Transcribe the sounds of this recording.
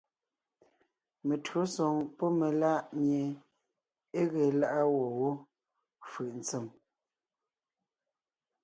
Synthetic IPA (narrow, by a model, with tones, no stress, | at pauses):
me˨tɰo˨˦sɔ˨ŋpɔ˦me˨la˦ʔɲje˨ | e˦ɣe˨la˦ʔa˦wɔ˨wo˦ | fɯ˨ʔn̩˨t͡se˦˨m